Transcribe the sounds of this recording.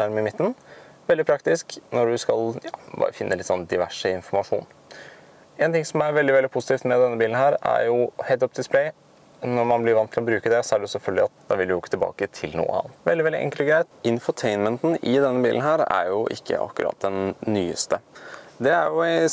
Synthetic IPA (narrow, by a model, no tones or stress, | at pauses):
æɾmɪmɪt̪ːn̩ | ʋɛld̪ɪpʰɾɑkt̪ɪsknɔɖʉskɑljɑ̰ːbɑ̰ːɾə̰fɪnːəlɪt̪sɔnːd̪ɪʋæʂəɪnfɔɾmɑʂṵːn | eːnt̪ɪŋsɔmæɾʋɛld̪ɪʋɛld̪ɪpʰʊsɪt̪ʰiːft̪mɛd̪ɛnːəbiːln̩hæːɾæ̰ɾjʊheɪt̪ɔp̚d̪ɪspʰlɛɪ | nɔɾmɑnblɪɾʋɑnt̪ʰɪlɔbɾʉːkəd̪ɛsɔæɖɛjʊsɛlfœlɡəlɑt̪̚d̪ɛʋɪld̪ɪʊɪkːət̪ʰɪlbɑ̰ːkət̪ʰɪlnṵːə̰hɑ̰ʋɛld̪ɪʋɛldɪʔɛ̰ŋkələɡɾæɪt̪ɪnfəʈʰeɪnmənt̪n̩ɪd̪ɛnːəbḭːln̩ɦæːɾæ̰ɾjʊʔɪ̰kʰːə̰ʔɑ̰kːʉɾʔɑ̰t̪̚d̪ɛnːyːə̰st̪əd̪ɛæɾjʊ